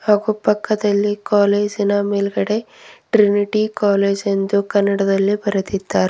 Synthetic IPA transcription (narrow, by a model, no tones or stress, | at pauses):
haːɡupɐkːɐd̪ɐlːikaːleːd͡ʒinɐmeːlɡɐɽe̞ | ʈɾiniʈikaːleːd͡ʒe̞nd̪ukɐnːɐɽɐd̪ɐlːibɐɾɐt̪id̪ːaːɾe